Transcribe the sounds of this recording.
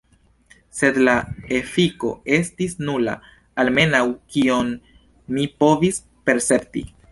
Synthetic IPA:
se̞dlae̞fiko̞̰e̞stisnula̰ | alme̞nawkio̞nː | ipo̞vis | pe̞ɾse̞ptḭ

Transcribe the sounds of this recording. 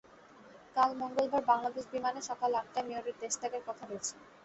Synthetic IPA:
kalmoŋɡolbaɾbaŋlad̪eʃbimaneʃɔkalak̚ʈamioɾiɾt̪estʰakeɾkɔt̪ʰaɾoet͡ɕʰe̥

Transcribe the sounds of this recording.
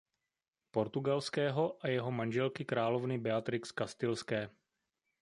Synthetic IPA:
po̞ɾt̪uɡalskɛːɦo̞ʔajɛɦo̞manʒɛlkɪkɾaːlo̞vnɪbɛat̪ɾɪkskast̪ɪlskɛː

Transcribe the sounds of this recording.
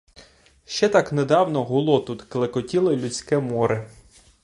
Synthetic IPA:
ʃt͡ʃɛt̪ɑkned̪ɑwnɔɦʊlˠɔt̪ut̪klˠekɔtʲilˠelʲʊt͡sʲkɛmɔɾɪ

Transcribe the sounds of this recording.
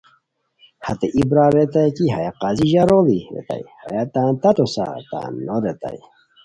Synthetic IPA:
hat̪eʔibɾaɾet̪ajkiɦajaqaziʑaɾoliɾḛt̪a̰jhajat̪ãːnt̪at̪osa̰t̪a̰nːoɾet̪a̰j

